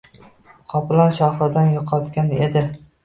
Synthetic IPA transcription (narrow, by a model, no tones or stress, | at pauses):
qʰɒplaɾʃɒχɪɾd̪anjɒqʰɒt̪kʲaned̪ɪ